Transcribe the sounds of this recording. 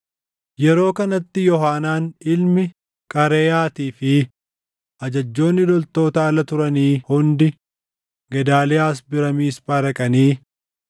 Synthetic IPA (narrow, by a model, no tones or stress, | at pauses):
jɛɾo̞ːkɐnɐt̪ːɪjɔɦaːnaːnɪlmɪ | kʼɐɾeːjaːt̪iːfɪ | ʔɐd͡ʒɐd͡ʒːo̞ːnːɪlɔlt̪o̞ːt̪aːlɐt̪ʊɾɐniːhʊnd̪ɪ | ɡɛd̪aːlɛaːs̬bɪɾɐmiːsbɐɾɐkʼɐniː